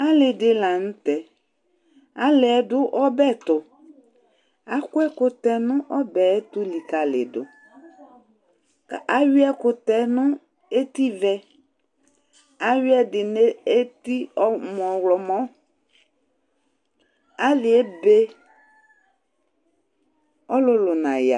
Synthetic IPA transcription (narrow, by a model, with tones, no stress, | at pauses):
a˦lɪ˨ɖɪ˨la˨ŋũ˦t̪ɛ˨ | a˦le˨ɛ˨ɖʊ˦ʔɔ˦bɛ˦˨t̪ʊ˨ | a˦kʊ˦ɛ˦kʊ˨t̪ɛ˨nũ˦ʔɔ˦bɛ˨ɛ˦t̪u˦li˨ka˨lḛ˨ɖʊ̰˨ | ka˨ʔa˦wi˦ɛ˦kʊ˨t̪ɛ˨nũ˦ | e˦t̪i˦vɛ˦ | a˦wi˦ɛ˦ɖɪ˨ne˦e˦t̪i˦ɔ˦mɔ̃˨wlɔ˨mɔ̃˦ | a˦lɪ˨e˦be˦ | ɔ˦lʊ˦lʊ˨nã˨ja̰˨